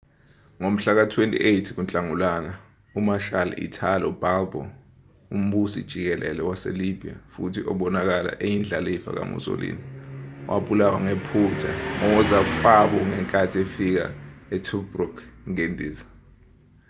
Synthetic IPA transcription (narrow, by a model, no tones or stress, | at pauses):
ŋom̩ɬak̬atʰwentʼḭʔejtʰik̬unt͡ɬʼaŋulana | umaʃal̰ḭtʰalɔub̥ʱalbɔ̰ | um̩ɓusid̥ʒ̥ʱik̬ɛlʔɛ̰lɛwasḛlib̥ʱia̰futʰiʔɔɓɔnak̬ala̰ʔejind͡ɮʱaliifa̰k̬a̰mṵso̰lḭːniwʔa̰ɓulawa̰ŋepʰutʰaɔwɔzafaɓɔŋɛŋkʼatʰiefik̬a̰ɛtʰubrukŋendʱiːza